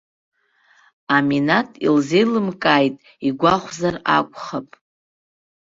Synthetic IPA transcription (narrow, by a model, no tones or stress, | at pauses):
aminatʼḭlzejlɨmkʼaːjtʼ | iɡʷaχʷzarakʷʼχapʼ